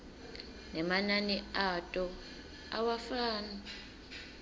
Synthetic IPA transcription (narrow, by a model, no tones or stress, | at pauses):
nɛmananiatʼɔ | a̰wafaːna